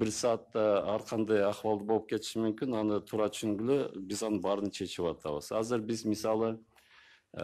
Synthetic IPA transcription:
bɪɾsɑːt̪ːɑæɾqʰɑnd̪ɑjɑχwɑlˠd̪əbo̞lˠəp̚kʲʰe̞t̪ʰɪ̥ʃɪmʏmkʲɪnɑnət̪ʰuɾɑt̪ʰʏ̥ʃʏŋɡʲɪlɪbɪzɑnəbɑɾənt͡ʃʰe̞t͡ʃɪpɑt̪ʰɑ̰wəz̥ɑzəɾbɪzmɪsɑlˠə

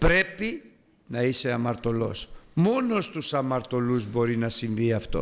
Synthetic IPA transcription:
pɾe̞pi | nɐise̞ɐmɐɾt̪o̞lo̞̰smo̞no̞st̪usɐmɐɾt̪o̞luzbo̞ɾinɐsinðiɐft̪o̞̰

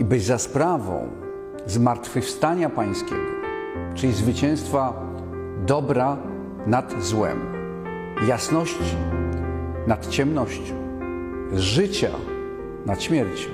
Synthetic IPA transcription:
ibɘzaspɾavɔ̰̃w̃ | zmaɾt̪fɘfst̪aɲapaj̃skʲɛ̰ɡɔ | t͡ʂɘlʲizvɘt͡ɕɛ̃w̃st̪fa | d̪ɔbɾa | nad̪zwɛ̰m | jasnɔɕt͡ɕi | nat̪t͡ɕɛmnɔɕt͡ɕɔ̃ | ʐɘt͡ɕa̰ | nat̪ɕmʲjɛɾt͡ɕ

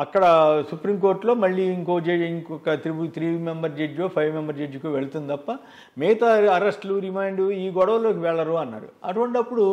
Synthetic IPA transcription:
ɐkːɐɽɐsupɾiːmko̞ːɾʈlo̞ːmɐɭːiːiŋko̞ːd͡ʒeːjikɔkɐt̪iɾibut̪ʰɾiːmembɐɾd͡ʒed͡ʒoːpʰɐjʋmembɐɾd͡ʒed͡ʒukuʋe̞ɭut̪und̪it̪ɐpːɐ | mɛːt̪ɐɐɾesʈluɾimaːjɳɖuiːɡɔɽɐʋɐlo̞ːk̬iʋɛɭːɐɾuːɐnːa̰ːɾṵɐʈuʋɐɳʈɐpːuɽu

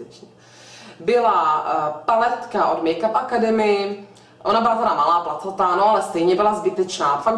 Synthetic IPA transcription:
ɛt͡ʃɛ | bɪlapalɛt̪kaʔodmɛjkapʔakadɛmɪɪ | ʔonabɪlat̪ɛɾamalaːplat̪ot̪anoalɛst̪ɛjɲɛbɪlazbɪt̪ɛt͡ʃnaːfak

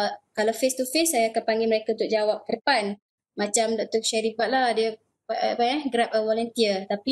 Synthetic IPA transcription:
kalawfest̪ufesːajaːkanpaŋɡiməɾekaunt̪ʊk̚d͡ʒawap̚kədəpan | mat͡ʃamdɔʔ̚t̪ɔʃaɾibat̪̚lahdiə | ppajaɡɾap̚əwɔlənt̪iət̪api

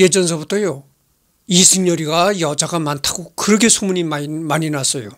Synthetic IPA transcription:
je̞d͡ʑʌns̬ʰʌbutʰʌjo | isʰɯŋɲʌɾiɡajʌd͡ʑaɡamantʰaɡokɯɾʌkʰesʰumuɲimmaɲinas͈ʌjo

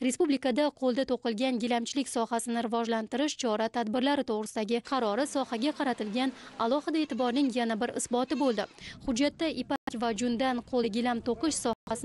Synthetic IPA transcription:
ɾe̞spublikad̪aqʰolˠd̪at̪ʰoqɨlˠɡʲanɡʲɪlamt͡ʃʰɪlɪkʲsɒhasɪnɪɾɪvɒʒlant̪ɪɾɪʃt͡ʃʰɒɾat̪ʰad̪bɪɾlaɾɪt̪ʰoʁɾɨsɪd̪aɡʲɪqʰɑɾɒɾɪsɒhaɡʲaqʰɑɾat̪ɪlɡʲanalˠɒhɪd̪ae̞ːt̪ʰɪbɒɾnɪŋjanabɪɾɪ̰sbɒt̪ɪbolˠd̪ɪhʊd͡ʒːat̪ːaʔipakʲvad͡ʒʊnd̪anqʰolˠɡʲɪlamt̪ʰoqɨʃsɒasɪ

